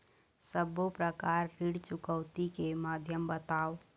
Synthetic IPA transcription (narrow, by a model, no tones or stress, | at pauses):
səbːopɾəkaɾːiɽt͡ʃukəʊt̪ikemad̪ʱjəmbət̪ao